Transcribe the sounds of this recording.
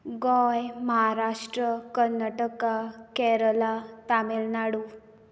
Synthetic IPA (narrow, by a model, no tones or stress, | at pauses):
ɡɔjməɦaɾaʂʈɾəkəɾnaʈəkakɛɾəlat̪amelnaɽu